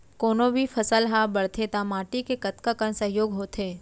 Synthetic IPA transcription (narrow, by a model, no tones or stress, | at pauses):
koːnõbʱipʰəsəlɦabəɽ̤t̪ʰet̪amaːʈikekɐt̪kakənsəɦjoːɡɦoːt̪ʰeː